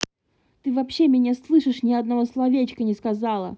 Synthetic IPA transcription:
t̪ɨvɐpɕːemʲɪnʲaslˠɨʂɨʂnʲɪɐd̪nɐvoslˠɐvʲet͡ɕkənʲɪskɐzɑlˠə̰

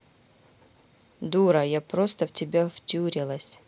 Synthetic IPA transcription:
d̪uɾɐjapɾost̪əvtʲɪbʲavtʲuɾʲɪlˠəsʲ

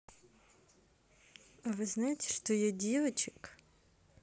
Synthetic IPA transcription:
ɐʋɪznajet̪ʲɛ̥ʃt̪ɔjɛdʲiʋet͡ʃɪ̥k

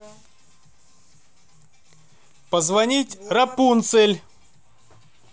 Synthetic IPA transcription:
pəzvɐnʲitʲrɐpunt̪sɨlʲ

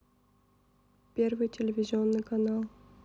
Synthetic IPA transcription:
pʲeɾvɨjtʲɪlʲɪvʲɪzʲɪonːɨjkɐnalˠ

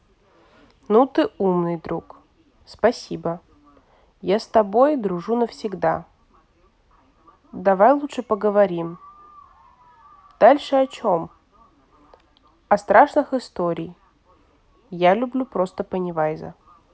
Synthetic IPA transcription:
nut̪ɨumnɨjd̪ɾuk | spɐsʲibə | jast̪ɐbo̞jd̪ɾʊʐunəfsʲɪɡd̪a | d̪ɐvajlˠutʂɨpəɡəvɐɾʲim | d̪̥alʲʂɨɐt͡ɕom | ɐst̪ɾʔaʂnɨxɨst̪oɾʲɪː | jalʲʊblʲupɾo̞st̪əpənʲɪvajzə̰

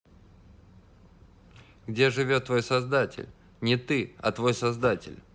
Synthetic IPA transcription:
ɡdʲe̞ʐɨvʲo̞t̪ːvo̞jsɐzd̪atʲɪ̰lʲ | nʲɪt̪ɨɐ̰t̪vo̞jsɐzd̪atʲɪ̰lʲ

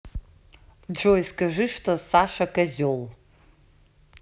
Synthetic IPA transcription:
d͡ʒojiskʼaʐɨʂtʰo̞saʂakʼazʲol

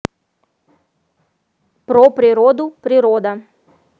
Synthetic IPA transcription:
pɾɔpɾiɾɔd̪upɾiɾɔːd̪a

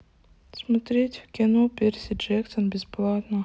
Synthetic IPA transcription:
smɐt̪ɾʲetʲfkʲɪnopʲeɾʲsʲɪd͡ʒɛkt̪ənbʲɪsplˠat̪nə

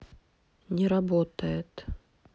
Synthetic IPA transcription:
nʲɪɾɐbot̪əjɪt̪

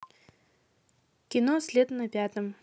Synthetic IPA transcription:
kʲɪnosʲlʲed̪nɐpʲat̪əm

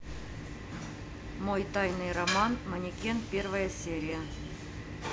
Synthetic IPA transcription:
mojt̪ɑjnɨjrɐmɑnmanʲikʲenpʲervəjəsʲeɾʲɪjə

